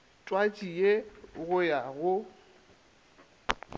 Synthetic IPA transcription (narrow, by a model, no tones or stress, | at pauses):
tʼwat͡ʃʼieɣʊjaɣʊ